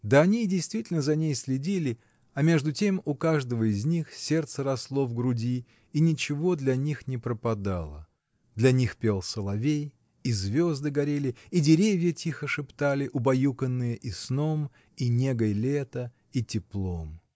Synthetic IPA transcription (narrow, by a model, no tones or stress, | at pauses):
d̪əɐnʲidʲɪjst̪vʲitʲɪlʲnəzɐnʲejsʲlʲɪdʲilʲɪ | ɐmʲe̞ʐd̪ʊtʲe̞mʊkaʐd̪əvəɪzʲnʲixsʲe̞rt̪səɾɐslˠo̞vɡɾʊdʲiː | nʲɪt͡ɕɪvo̞d̪lʲɐnʲixnʲɪpɾəpɐd̪alˠə̰ | d̪lʲɐnʲixpʲe̞lˠsəlˠɐvʲej | izvʲo̞zd̪ɨɡɐɾʲelʲɪidʲɪɾʲevʲjətʲixəʂɨpt̪alʲɪʔʊbɐjukənːɨjəʔisno̞m | inʲeɡəjlʲet̪ə | itʲɪplˠo̞m